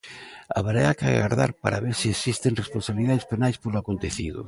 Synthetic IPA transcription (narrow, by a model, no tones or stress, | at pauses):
a̰βaɾeaka̰ɣa̰ɾða̰ɾpa̰ɾaβeɾsiesist̪eŋresponsaβiliðaðespenajspolʊakont̪eθiðʊ̰